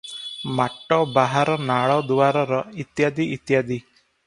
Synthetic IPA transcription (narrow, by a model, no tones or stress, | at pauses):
maʈːɔbaɦaɾɔnaɭɔd̪uwaɾɔɾɔit̪jad̪iʔit̪jad̪i